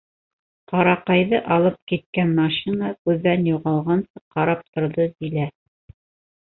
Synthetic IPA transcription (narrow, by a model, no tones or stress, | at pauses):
qɑɾɑqɑjðɤʔɑlˠɤp̚kit̪̚kænmɑʃinakʉðːænjuʁɑlˠʁɑnsɤqɑɾɑp̚t̪ŏɾðɤd̪ilæ